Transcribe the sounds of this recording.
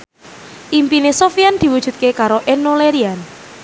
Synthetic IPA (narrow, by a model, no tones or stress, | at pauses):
ʔimpinesofiand̪̥i̤wud̥ʒ̥ṳt̪̚kekaɾoʔenoleɾian